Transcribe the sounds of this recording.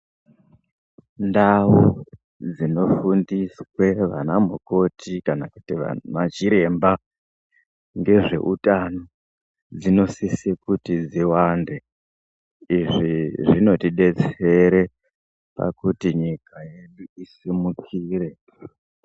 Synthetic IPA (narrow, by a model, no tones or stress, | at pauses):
ndawu | d͡zino̞fundiswe̞ʋa̰namo̰ko̞tʰikanakutiʋa̰mat͡ʃiɾe̞mba | ŋɡe̞ʐe̞̰ʔutano̞ | d͡zino̞sisekutid͡ziwande | iʐiʐino̞tiɗe̞t͡se̞ɾe̞ | pa̰kutiɲikajeɗuisimukʰiːre̞